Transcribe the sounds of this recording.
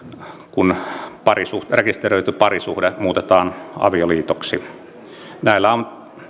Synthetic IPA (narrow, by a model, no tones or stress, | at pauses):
kunpɑrisuhrekist̪erøˑyt̪ypɑrisuhdemuːt̪et̪ɑːnɑ̰ʋioliːt̪oksi | næˑilːæon